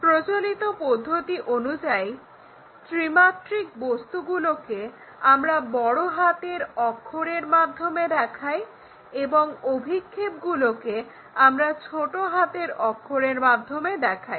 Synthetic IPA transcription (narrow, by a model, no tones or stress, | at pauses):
pɾot͡ɕolit̪opod̪ʱːot̪iʔonud͡ʑaj | t̪ɾimaʈɾik̚bost̪uɡuloke | amɾabɔɽoɦat̪eɾɔkʰːoɽeɾmad̪ʱːomed̪ɛkʰaj | eboŋobʱikʰːep̚ɡuloke | amɾat͡ɕʰoʈoɦat̪eɾɔkʰːoɽeɾmad̪ʱːomed̪ɛkʰaj